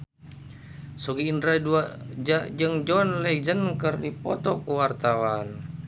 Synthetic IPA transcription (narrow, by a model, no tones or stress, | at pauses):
soɡiːndɾaduad͡ʒaʔd͡ʒɨŋd͡ʒɔnlɛd͡ʒənkərdipɔt̪ɔkəwart̪awan